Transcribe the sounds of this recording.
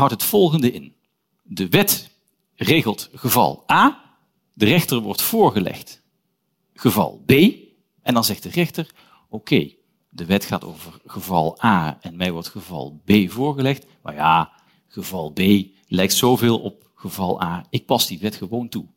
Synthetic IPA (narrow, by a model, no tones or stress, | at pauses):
ɦɑwtɦətfɔlˠχəndəɪn | dəʋɛt | reːɣəlˠtχəvɑ̰lˠʔaː | dərɛxtərʋɔ̰ɹtfʊːɹɣəlɛ̰χt | χəvɑ̰lˠbeːj | ʔɛndɑnzɛχt̚dərɛxtəɹ | okʰej | dəʋɛtχaːto̰wvərχəvɑ̰lˠaːɛnmɛjʋɔɹtχəvɑ̰lˠbeːjvʊːɹɣəlɛχt | ma̰jaː | χəvɑlˠbeːj | lɛjk̚tsowvɪːlˠɔ̰p̚ | χəvɑlˠaːɪk̚pɑsdiʋɛtχəʋowntu